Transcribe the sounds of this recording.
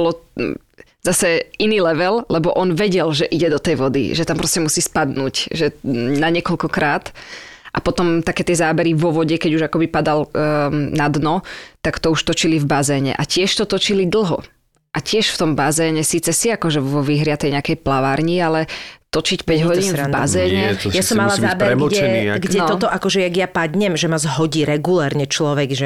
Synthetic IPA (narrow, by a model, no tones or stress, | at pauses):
ɔlɔ | zasɛiniːlɛʋɛllɛbɔʔɔnʋɛɟɛlʒɛʔiɟɛd̪ɔt̪ɛjʋɔd̪ḭʒɛt̪ampɾɔscɛmusiːspad̪nuːcʒɛnaɲɪɛkɔʎkɔkɾaːt̪ʔapɔt̪ɔmt̪akɛːt̪ɪɛzaːbɛɾiʋɔʋɔɟɛkɛɟuʒakɔbipad̪al | nad̪nɔt̪akt̪ɔuʃt̪ɔt͡ʃilivbazɛːɲɛ̰ʔa̰cɪɛʃt̪ɔt̪ɔt͡ʃilid̪l̩ˠɦɔ̰ | ʔacɪɛʃft̪ɔmbazɛːɲɛsiːt͡sɛsiakɔʒɛʋɔʋiːɦɾɪat̪ɛjɲɛakɛjplaʋaːɾɲialɛt̪ɔt͡ʃicpɛɟɦɔɟiːnvba̰zɛːɲɛjasɔmmːalazaːbɛɾɛmɛɛiɡnɛɔɔt̪ɔʔakɔʒɛjaɡjapad̪ɲɛmʒɛmazɦɔɟiːɾɛɡulɛːɾɲɛt͡ʃlɔʋɛɡʒɛ